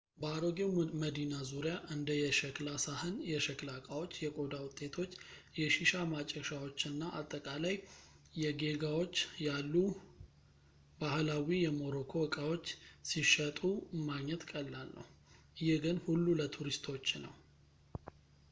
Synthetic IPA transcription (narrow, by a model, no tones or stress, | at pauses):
baaɾo̞ɡewməd̪inazuɾjaʔɨnd̪əjɛʃɛklasahɨnjɛʃəklakʼawo̞t͡ʃːjɛkʼo̞d̪awʊt̪ʼːe̞t̪ʰo̞t͡ʃː | jɛʃiʃamat͡ʃʼːəʃawo̞t͡ʃːɨnːaʔat̪ʼːəkʼalaj | jɛɡe̞ɡawo̞t͡ʃːjalːu | bahlawijɛmo̞ɾo̞kʰo̞wəkʼawo̞t͡ʃːsiʃət̪ʼumaɡɲːɛt̪kʼəlːalːə̰wʔɨjɛɡɨnhulːulət̪ʰuɾist̪ʰo̞t͡ʃːnə̰w